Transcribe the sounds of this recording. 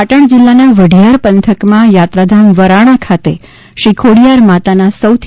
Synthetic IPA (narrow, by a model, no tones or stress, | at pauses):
aʈəɳ̃d͡ʒilːanaʋəɖʱijaɾpənt̪ʰəkmãjat̪ɾad̪ʱamʋəɾaɽ̃akʰat̪e | ʃikʰoɽijaɾmat̪anasəwt̪ʰ